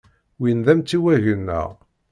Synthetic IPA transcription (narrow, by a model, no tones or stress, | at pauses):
winðæmt͡sːiwæʝənːə̰ʁ